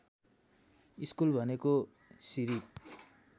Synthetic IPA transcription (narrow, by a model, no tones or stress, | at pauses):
iskulbʱʌneko | siɾip̚